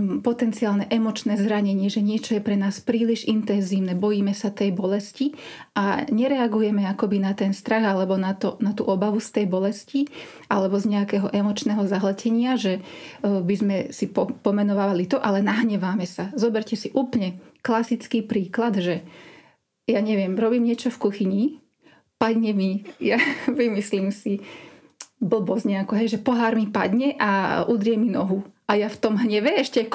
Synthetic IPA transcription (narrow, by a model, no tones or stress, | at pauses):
pɔt̪ɛnt͡siaːlnɛʔɛmɔt͡ʃnɛːzɾaɲɛɲɪɛʒɛɲɪɛt͡ʃɔjɛpɾɛnaːspɾiːliʒint̪ɛnziːʊnɛbɔjiːmɛsat̪ɛjbɔlɛsciʔaɲɛɾɛaɡujɛmɛakɔbinat̪ɛnst̪ɾaɣalɛbɔnat̪ɔnat̪uːʔɔbaʋust̪ɛjbɔlɛsci | ʔa̰lɛbɔzɲɛakɛːɦɔʔɛmɔt͡ʃnɛɦɔzaɦlɛcɛɲɪaʒɛbizmɛsipɔpɔmɛnɔʋaːʋalit̪ɔʔalɛnaɦɲɛʋaːmɛsazɔbɛɾcɛsiʔuːplɲɛklasit͡skiːpɾiːklad̪ʒɛ | jaɲɛʋɪɛmɾɔbiːmɲɪɛt͡ʃɔfkuxiɲi | paɟɲɛmijaʋimisliːmsi | bl̩bɔzɲɛakɔɦɛjʒɛpɔɦaːɾmipaɟɲɛʔaʔud̪ɾɪjɛminɔɦuʔajaft̪ɔmɦɲɛʋɛɛʃcɛk